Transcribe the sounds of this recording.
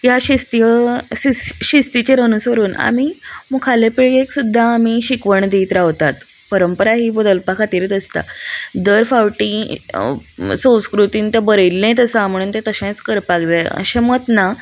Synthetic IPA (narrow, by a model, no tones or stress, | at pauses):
jaɕist̪ijəiɕist̪it͡ɕeɾənusəɾuːna̰mimukʰalepiɭieksud̪ʱːaːmiɕikʋəɳd̪ejt̪ɾaʋt̪at̪ | pəɾəmpəɾaɦiːbəd̪əlpakʰat̪iɾit̪əst̪a̰d̪əɾfawʈi | sə̃w̃skɾut̪iːnt̪əbəɾəjlːẽt̪əsaməɽ̃uːnt̪et̪əɕẽt͡skəɾpakd͡zajə̰ɕemət̪na